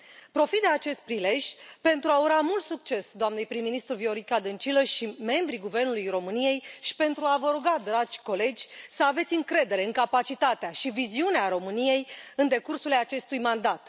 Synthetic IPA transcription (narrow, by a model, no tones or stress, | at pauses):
pɾo̞fit̪d̪eat͡ʃe̞st̪̚pɾile̞ʒʲpe̞nt̪ɾuauɾamult̪suk̚t͡ʃe̞sd̪oamnejpɾimːinist̪ɾuvio̞ɾikad̪ɨnt͡ʃiləʃime̞mbɾiɡuve̞rnulujro̞mɨnije̞jʃi̥pe̞nt̪ɾuavəɾuɡad̪ɾad͡ʒʲko̞le̞d͡ʒʲsəave̞t̪sʲɨŋkɾe̞d̪e̞ɾe̞ɨŋkapat͡ʃit̪at̪eaʃiviziuneaɾo̞mɨnije̞jɨnd̪e̞kursuleat͡ʃe̞st̪ujmand̪at̪